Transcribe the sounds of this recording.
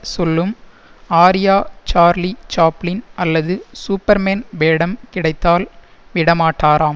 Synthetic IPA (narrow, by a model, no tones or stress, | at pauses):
sɔlːɯm | aːɾɪjaːt͡ʃaːɾlit͡ʃaːplɪnɐlːɐðɯsuːpːɐɾmeːnʋeːɽɐmkɪɽɐɪt̪ːaːlʋɪɽɐmaːʈːaːɾaːm